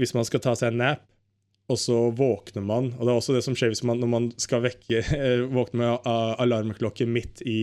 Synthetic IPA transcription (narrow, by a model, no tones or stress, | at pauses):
ʋɪsmɑnskɑt̪ʰɑːsæɪɛnːæːp | ɔsɔʋoːknəɾmɑnɔd̪ɛæɾɔsːɔd̪ɛsɔmʂeːɾʋɪsmɑnːɔɾmɑnskɑlʋɛkʰːəʋoːknəmɛɑlɑɾməkʰlɔkːəmɪt̪ʰːɪ